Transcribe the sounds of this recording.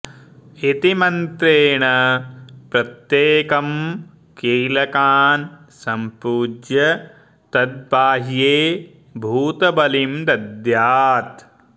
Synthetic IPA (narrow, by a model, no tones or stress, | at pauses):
it̪imɐnt̪ɾeːɳɐ | pɾɐt̪jeːkɐm | keːlɐkaːn | sɐmpuːd͡ʒjɐ | t̪ɐd̪̚baːɦjeː | bʱuːt̪ɐbɐlimd̪ɐd̪jaːt̪